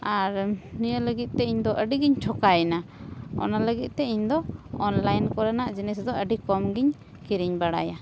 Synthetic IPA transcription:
aɾnijələɡit̪̚t̪ɛiɲd̪ɔʔəɖiɡiɲt͡ʃʰɔkajnaɔ̰naləɡit̪̚t̪ɛiɲd̪ɔɔnlajnkɔɾanaʔd͡ʒinɛsd̪ɔəɖikɔmɡiɲ | kiɾiɲbaɽa̰ja

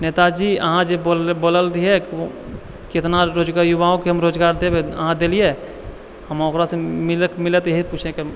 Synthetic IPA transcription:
neːt̪ad͡ʒiːəɦãd͡ʒebolboːləlɾiɦɛk | kɪt̪naɾoːd͡ʒɡaːɾjʊʋaõkeɦəmɾoːd͡ʒɡaːɾd̪ebeə̰ɦãd̪elie | həmoːkɾasemɪləkmɪlət̪jeɦiput͡ʃʰeke

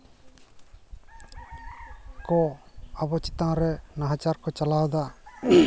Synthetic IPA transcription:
kɔabɔt͡ʃit̪ãɾɛnaɦat͡ʃaɾkɔt͡ʃalawd̪a

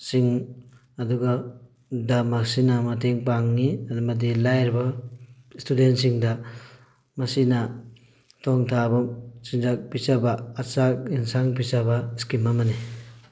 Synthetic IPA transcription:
siŋː | duɡa | damaksinamateŋpaŋːimadilajɾba | stʰudentsiŋda | mɐsina | tʰɔŋtʰabasinzak̚pisabaːsak̚insaŋp̬isabaskimamani

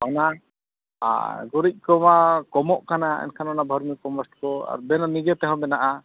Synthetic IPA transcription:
ɔna | a̰ɡuɾic̚ˀkɔmakɔmɔʔkanaɛ̰nkʰanɔnabʱɔɾmipɔmɔsʈkɔa̰ɾbɛnɔnid͡ʒɔt̪ɛɦɔ̃bɛnaʔa

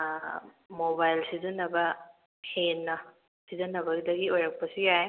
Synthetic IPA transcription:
mobajlsizɐnːɐbɐ | henːɐ | sizɐnːɐbɐɡidɐɡiojɾɐk̚pɐsijaj

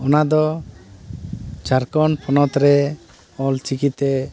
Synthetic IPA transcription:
ɔnad̪ɔ | t͡ʃaɾkɔnpʰɔnɔt̪ɾɛ | ɔlt͡ʃikit̪ɛ

